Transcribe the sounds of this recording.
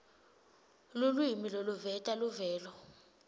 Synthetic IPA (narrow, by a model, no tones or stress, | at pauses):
lulwimiloluvɛtʼaluvɛːlɔ